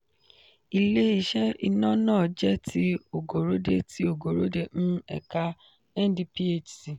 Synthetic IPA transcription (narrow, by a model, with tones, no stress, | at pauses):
i˨le˦i˨ʃɛ˦i˧nɔ̃˦nãː˦˨d͡ʒɛ˦tʰi˦o˨ɡo˨ɾo˨˦de˦˨ti˦o˨ɡo˨ɾo˦de˦˨ñ̩˦ɛ̰˨ka˧ | ɛ˦n˦di˦pi˦e˦t͡ʃsi˨